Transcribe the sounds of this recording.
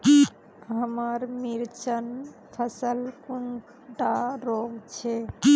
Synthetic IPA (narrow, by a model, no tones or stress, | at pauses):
ɦəməɾmiɾt͡ʃənpʰəsəlkun | ʈaɾoɡt͡ʃʰe